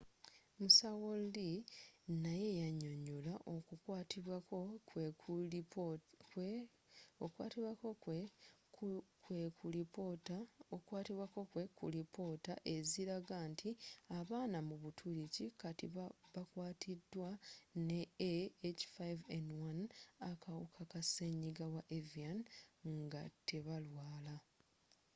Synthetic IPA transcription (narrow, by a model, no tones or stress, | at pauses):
musawollinaje̞jaɲo̞ɲolaʔokukwatiwakoeu | k | okwa̰ːtiβwako | kwekulipotaokwaːtiβwako̞kwekṵlipo̞taʔe̞ziɾaɡantʰiaβaːnamuβutʰuɾicikatḭβakwaːtʰidːwaneː | t͡ʃi̥fajvendwanakawṵkʰakase̞ɲiɡawaʔevianŋɡatʰe̞βalwaːla